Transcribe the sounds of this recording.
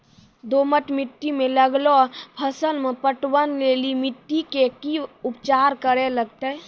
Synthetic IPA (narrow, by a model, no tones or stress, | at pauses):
d̪oməʈmiʈːimeləɡlopʰəsəlmepəʈwənlelimiʈːikekiupt͡ʃaɾkəɾeləɡt̪ə